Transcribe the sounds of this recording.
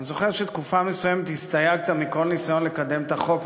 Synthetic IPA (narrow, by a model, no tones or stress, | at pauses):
nizo̞χe̞ʁʃet̪kufamesujemet̪hist̪ajaɡ̚t̪amiko̞lnisajo̞nlekad̪e̞mt̪aχo̞k